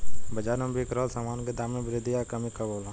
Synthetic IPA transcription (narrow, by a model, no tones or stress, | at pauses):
bɐd͡ʒaːɾnɐmbʱikɾaːlsaːmaːnked̪aːmẽbɾed̪ijaːkɐmikaboːlãː